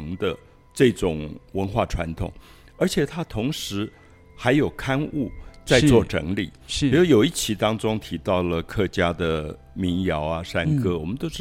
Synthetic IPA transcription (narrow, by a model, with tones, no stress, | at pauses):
ŋd̪ə˧ | ʈ͡ʂɤ˥˩ʈ͡ʂʊ˨˩ŋwə˧˥nxwa˥˩ʈ͡ʂʰwa˧˥nt̪ʰʊ̰˨˩˦ŋ | ə˞˧˥t͡ɕʰjɛ˨˩t̪ʰa˥t̪ʰʊ˧˥ŋʂɻ̩˧˥ | xa˧˥ɪjo˨˩ʊkʰa˥nu˥˩t͡sa˥˧t͡swɔ˥˩ʈ͡ʂɤ̰˧˥ŋlḭ˨˩˦o˥˩jo˨˩ʊi˥˩t͡ɕʰi˧˥t̪ɑ˥ŋʈ͡ʂʊ˥ŋt̪ʰi˧˥t̪ɑ˥˩ʊlə˩kʰɤ˥˩t͡ɕja˥d̪ə˨ | mi˧˥ŋjɑ˧˥ʊa˧ʂa˥˩nkɤ˥wɔ˨˩mə˦nt̪o˥ʊʈ͡ʂ